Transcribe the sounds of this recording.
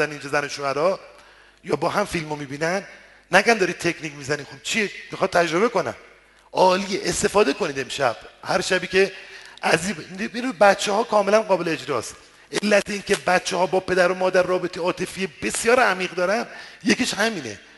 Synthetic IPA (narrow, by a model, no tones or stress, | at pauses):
æniːnd͡ʒɔzænoʃoæɾɒː | jɒːbɒːɦæmfilmomiːbiːnænː | æɡænd̪ɒɾiːd̪̚t̪ʰekʰniːcmizæniːxob̥̚t͡ʃʰiemixɒːd̪̚t̪ʰæd͡ʒɾo̞βe̞ko̞næ̰m | ʔɒːlieʔest̪e̞fɒːd̪e̞ko̞niːd̪e̞mʃæb̥hæɾʃæbiːce̞ʔæzibibinibæt̪t͡ʃʰːehɒːkʰɒːme̞lænɢɒːbe̞leed͡ʒɾɒ̰ːs | ʔelːæt̪ʰeiːŋcʰe̞bæt̪̚t͡ʃʰːehɒːbɒːpʰe̞d̪æɾomɒːd̪æɾːɒːbet̪ʰejɒːt̪ʰe̞fiːjebe̞sjɒːɾæmiːɣd̪ɒːɾænjekeʃhæmiːnḛ